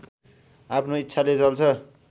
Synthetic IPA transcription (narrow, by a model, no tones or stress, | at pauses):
apʰnoit̪ːsʰalet͡sʌlt͡sʰʌ